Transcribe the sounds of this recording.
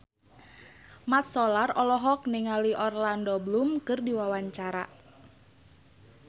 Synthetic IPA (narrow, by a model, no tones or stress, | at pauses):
mat̪̚sɔlarɔlɔɦɔk̚niŋaliʔɔrlandɔblumkɨrdiwawaɲt͡ʃaɾa̰